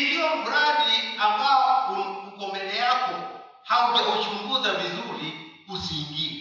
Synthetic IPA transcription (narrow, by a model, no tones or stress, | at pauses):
ilijɔfuɾaɗiambawakukukɔmbɛlɛjakɔ | haukaɔt͡ʃuŋɡuzavizuɾikusiŋɡi